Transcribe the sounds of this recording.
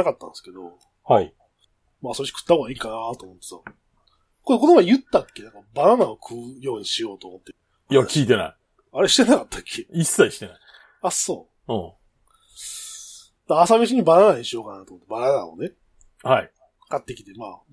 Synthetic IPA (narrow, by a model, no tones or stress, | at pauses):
akat̪ːã̰nsɨ̥ked̪o̞̰ | hai | maːsoɕi̥kɯ̟̥t̪ːahoɡaiːkanat̪omo̞t̪ːesa̰ | koeko̞nomajɯ̟t̪ːakʲːe̞nãŋkabananaokʰɯjo̞ːɲ̟iɕijo̞ːt̪oːmot̪ːe | jakʲiːt̪e̞na̰i | aɾe̞ɕi̥t̪e̞nakat̪ʰːakʰːeisːaiɕi̥ena̰ | aso̞̰ː | ɯ̃ | d̪aːsamʲeɕ̬iɲ̟ibananaɲ̟iɕijo̞ːkanat̪oːmot̪ːebanana̰o̰ne̞ | hai | kat̪ːe̞kʲi̥t̪e̞ma̰ː